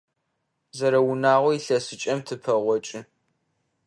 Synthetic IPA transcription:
zɐɾɐwʊnaːʁʷɔiɬɐsɨt͡ʃʼɐmtʰɨpʰɐʁʷɔt͡ʃʼɪ

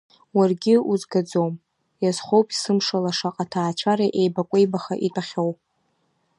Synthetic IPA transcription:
warɡʲɪuzɡad͡zowm | jaz̥χʷowpʼi̥sɨmʂalaʂaqʼatʰaːt͡ʃʷʰaɾaʔejbakʷʼejbaχaʔitʼaχʲowpʼ

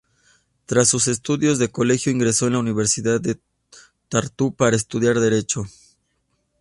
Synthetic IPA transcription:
t̪ɾasːuse̞st̪uðjo̞zðe̞ko̞le̞xjo̞iŋɡɾe̞so̞enlauniβ̞e̞ɾsiðaðe | t̪aɾt̪upaɾaest̪uðjaɾðe̞ɾe̞t͡ʃo̞

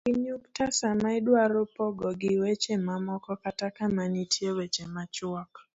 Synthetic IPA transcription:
kiɲuktasamaɪdwaɾʊpɔɡɔɡɪwɛt͡ʃemamɔkɔkatakamanitʰiewɛt͡ʃemat͡ʃwak

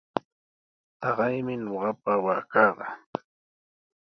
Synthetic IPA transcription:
t̪ɑɢɑjmɪɲoɢɑpawaːkɑːɢɑ

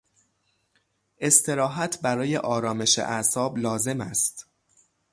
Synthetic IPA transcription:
ʔe̞st̪ʰe̞ɾɒːɦæt̪ʰbæɾɒːje̞̰ʔɒːɾɒːme̞ʃḛʔæsɒːblɒːze̞mæst̪

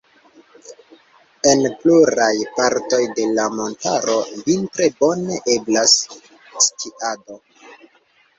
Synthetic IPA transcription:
e̞npluɾajpaɾto̞jde̞lamo̞ntaɾo̞vintɾe̞bo̞ne̞ʔe̞blas | stʰiʔado̞

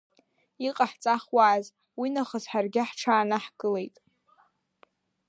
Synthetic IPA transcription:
iqʼaħt͡sʼaχwaːz | winaχəzħarɡʲɪħʈ͡ʂʰaːnaħkʼɨle̞jtʼ

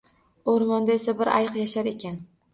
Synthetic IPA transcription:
oɾmɒnd̪ae̞sabɪɾa̰jɨqjaʃaɾe̞kʲan

